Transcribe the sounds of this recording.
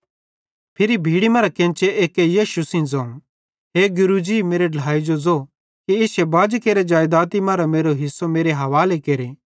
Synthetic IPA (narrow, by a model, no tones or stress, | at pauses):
pʰɪɾibʱiːɽimaːɾakɛ̃ːnt͡ʃeʔeːkejeːʃusɪ̃nd͡zɐũ | ɦeːɡʊɾud͡ʒimeːɾeɖɐɽaːid͡ʒod͡zo | kiɪsebaːd͡ʒkeːɾed͡ʒaːjd̪aːt̪imaːɾameːɾoɦɪsːomeːɾeɦɐʋaːlekeːɾe